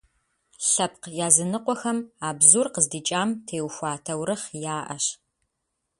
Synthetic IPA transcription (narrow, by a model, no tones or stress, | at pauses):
ɬɐp̚qjaːzɨnɨqʷɔxɐmaːbzurqəzdiːt͡ʃʼaːmtʰeːwxʷɑːtʰɐwɾɨχjaːʔɐ̰ɕ